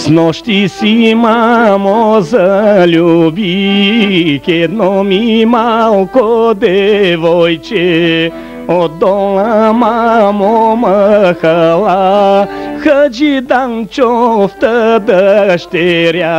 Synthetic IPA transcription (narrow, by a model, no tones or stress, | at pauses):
snɔʃt̪isimamozəlʲubi | kɛd̪nɔmimalˠkod̪ɛvɔjt͡ʃɛ | od̪ɔləmamoməxəlˠa | xəd͡ʒid̪ant͡ʃɔft̪əd̪əʃt̪ɛɾja